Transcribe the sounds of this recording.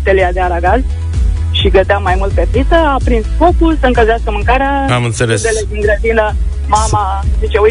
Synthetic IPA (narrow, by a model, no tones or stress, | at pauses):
t̪elijad̪eaɾaɡaz | ʃiɡəd̪eamajmult̪̚pepɾit̪əapɾinsfokulsəɨŋkəʒeaskəmɨŋkaɾa | amɨnt̪selesd̪eleinɡ̪ɾət̪ilə | mama | zit͡ʃeuj